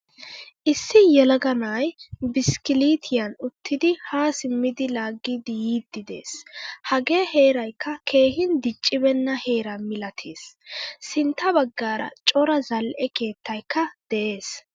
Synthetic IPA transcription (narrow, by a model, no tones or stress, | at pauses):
ʔɪsːɪjɛlɐɡɐnaːjbɪskɪliːt̪ʰɪjɐnʊt̪ʰːɪd̪ɪhaːsɪmːɪd̪ɪlaːɡːɪd̪ɪjiːd̪ːɪd̪e̞̰ːshɐɡeːhe̞ːɾɐjkːɐkʰe̞ːhɪnd̪ɪt͡ʃʼːɪbɛnːɐhe̞ːɾɐnmɪlɐt̪ʰeːsː | ɪnt̪ːɐbɐɡːaːɾɐ̰t͡ʃʼɔɾɐzɐlʔɛke̞ːt̪ːɐjkːɐd̪̥ɛʔe̞ːs